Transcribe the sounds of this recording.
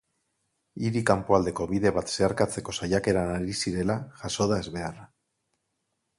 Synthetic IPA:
iɾikampoald̪e̞ko̞βiðe̞βat̪se̞aɾkat͡se̞ko̞sajake̞ɾanaɾisiɾe̞laʝaso̞ðaezβe̞ara

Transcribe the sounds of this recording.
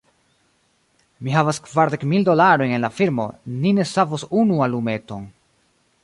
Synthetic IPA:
miɦavaskvaɾde̞kmildo̞laɾo̞jne̞nlafiɾmo̞̰nine̞savosunualume̞to̞n

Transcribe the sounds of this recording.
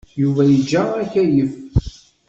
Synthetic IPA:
juvæjəd͡ʒːæækæjəf

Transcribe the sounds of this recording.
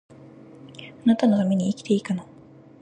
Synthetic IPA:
anat̪ano̞t̪ame̞ɲ̟iːkʲi̥t̪e̞ikano

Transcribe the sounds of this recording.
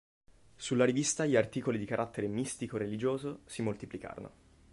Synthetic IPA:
sulːaɾivist̪aʎiart̪iːkolid̪ikaɾʔat̪ːeɾemist̪ikoerelid͡ʒoːzosimolt̪iplika̰ːɾo̰no̰

